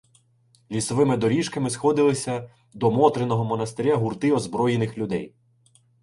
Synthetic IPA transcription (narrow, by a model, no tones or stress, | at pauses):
lʲisɔʋɪmɪd̪ɔɾʲiʃkɐmɪsxɔd̪ɪlˠɪsʲɐ | d̪ɔmɔt̪ɾenɔɦɔmɔnɐst̪eɾʲaɦʊrt̪ɪɔzbɾɔjenɪxlʲʊd̪ɛ̰j